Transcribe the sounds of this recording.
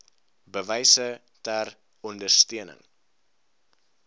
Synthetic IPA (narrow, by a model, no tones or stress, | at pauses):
bəvəjsə | tær | ɔndərstiənə̰ŋ